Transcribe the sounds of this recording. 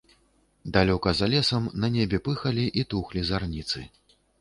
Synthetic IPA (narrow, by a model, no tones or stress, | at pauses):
d̪alʲɔkɐzalʲɛsɐmnɐnʲɛbʲɛpɨxɐlʲiʔit̪uxlʲizarnʲit̪sɨ